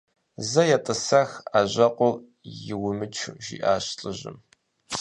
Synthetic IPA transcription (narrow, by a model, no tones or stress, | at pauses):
zɐjɛtʼɨsɐxaːʑɐqʷʼʊ | jɪwʊmɨt͡ʃʰʒḭːʔaːɕɬʼɨʑɪ̰m